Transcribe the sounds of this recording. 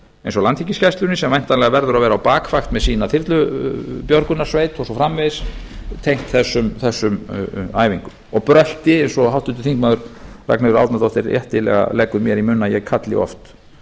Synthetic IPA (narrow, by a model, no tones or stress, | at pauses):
ẽjnsɔlant̪ʰicɪscɛst̪lʏnɪsɛmajn̥t̪anlɛɣavɛɾðʏɾaðvɛːɾawpaːkfaxt̪mɛðsiːnaθɪɾt̪lʏpjɔɾkʏnaɾ̥svejt̪ɔsɔfɾamveðɪst̪ʰejŋ̥t̪θɛsːʏmθɛsːʏma̰ːjviŋkʏmɔɣpɾœl̥t̪ɪejnsɔɦawht̪ʏnt̪ʏ̥θiŋkmaːðʏɾra̰knɪðʏɾa̰wt̪nat̪ɔht̪ɪɾjɛ̰ht̪ɪlɛ̰ɣa̰lɛkʏmjɛɾimʏnːajɛɣkʰat̪lɪ̰ɔ̰ft̪